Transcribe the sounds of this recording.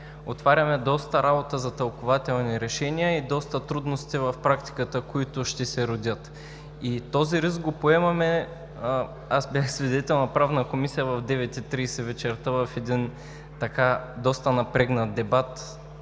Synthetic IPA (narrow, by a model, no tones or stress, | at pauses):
ot̪vaɾʲɐmɛd̪ɔst̪ɐɾabot̪əzɐt̪ɐlˠkovat̪ɛlˠniɾɛʃɛniəid̪ɔst̪ət̪ɾud̪nost̪ivɐfpɾakt̪i̥kət̪əkoit̪ʊʃt̪ɛsɛɾod̪ʲət̪ | it̪ɔziɾisɡopoɛmɐmɛ | asbʲjaxsvid̪ɛt̪ɛlˠnɐpɾavnəkomisijəvɐvd̪ɛvɛt̪ʲɛt̪ːɾiːsɛvɛt͡ʃɛɾt̪avɐfɛd̪in | t̪ɐkad̪ɔst̪ənɐpɾɛɡnɐt̪̚d̪ɛbat̪